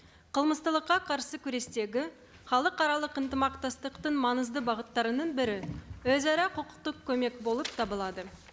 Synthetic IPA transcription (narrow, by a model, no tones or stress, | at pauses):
qʰəlˠməst̪əlˠəqːɑqʰɑɾsəkʲʰʏɾe̞st̪e̞ɡʲɪ | χɑlˠəqɑɾɑlˠəqɪnt̪əmɑqt̪ɑst̪əqt̪ənmɑnəzd̪əbɑʁət̪ːɑɾənəɴbɪɾɪwɵzæɾɑqʰəqə̥q̚t̪əq̚kʲʰɵme̞kbo̞lˠəpt̪ʰɑbəlˠɑd̪ə